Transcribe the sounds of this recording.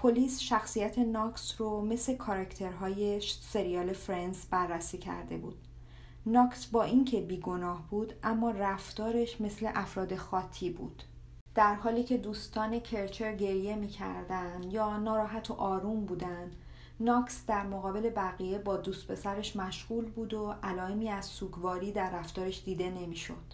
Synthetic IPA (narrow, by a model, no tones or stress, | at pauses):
pʰo̞liːsʃæxsijæt̪ʰenɒksrome̞slekʰɒɾæcʰt̪ʰe̞ɾɦɒːjeʃse̞ɾiɒːle̞fɾensbærːæsiːcʰæ̰ɾd̪e̞̰bṵːd̪̥̚ | nɒːksbɒːʔiŋcʰe̞biːɡo̞nɒːhbuːd̪ʔæmːɒːræft̪ɒːɾe̞ʃme̞sle̞ʔæfɾɒːd̪e̞xɒːt̪ʰːiːbṵːd̪̥ | d̪̥æɾɦɒːliːcʰe̞d̪uːst̪ʰɒːne̞cʰe̞ɾt͡ʃʰe̞ɾɟe̞ɾje̞miːcʰæ̰ɾd̪ænd̪jɒːnɒːɾɒːɦæt̪ʰoʔɒːɾuːmbuːd̪ænd̪̥ | nɒːksd̪æɾmoɣɒːbe̞le̞bæɣiːje̞bɒːd̪ust̪̚pʰe̞sæɾe̞ʃmæʃɣuːlbuːd̪oʔælɒːe̞miːæzsuːɡvɒːɾiːd̪æɾːæft̪ɒːɾe̞ʃd̪iːd̪e̞ne̞miːʃo̞̰d̪̥